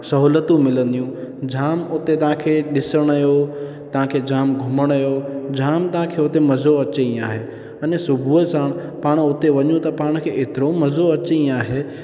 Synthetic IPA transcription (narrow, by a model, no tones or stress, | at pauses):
sɐɦuːlət̪ũmɪlə̃nd̪ijũd͡ʑʱaːmʊt̪et̪ɐɦãkʰeːɗɪsəɽ̃ɐjo | t̪ɐʋ̤ãkʰeːd͡ʑaːmɡʱʊməɽ̃jod͡ʑʱaːmt̪ɐɦãkʰeʊt̪emɐzoɐt͡ɕeĩaːɦe | ɐnesʊbʱuəsaːɽ̃paːɽ̃ʊt̪eʋɐɲũt̪ɐpaːɽ̃kʰeːʔeːt̪ɪɾomɐzoɐt͡ɕeĩaːɦeː